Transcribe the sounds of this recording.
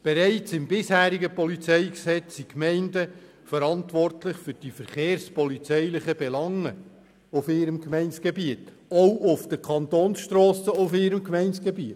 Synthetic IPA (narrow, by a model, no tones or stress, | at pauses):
b̥ɛɾæɪt͡sɪmbɪshæːɾiɡəpɔlit͡sɛɪksɛt͡sːikmɛɪndə | fəɾɑntʋɔrtlɪχfʏɾd̥ifəɾχeːɾspɔlit͡sɛɪlɪχəbɛlɑŋə | ʊfɪɾəmkmɛɪnsɡ̥ebiət | ɔʊʔʊfd̥əkʰɑnt̪oːnsʃtɾoːsəʊfɪɾəmkmɛɪnsɡ̥ebiət